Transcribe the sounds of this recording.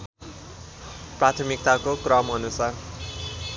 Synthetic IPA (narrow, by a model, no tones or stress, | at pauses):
prat̪ʰʌmik̚t̪akokrʌmʌnusar